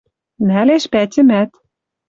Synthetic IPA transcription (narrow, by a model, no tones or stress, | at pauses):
næleʃpætʲɘ̆mæt̪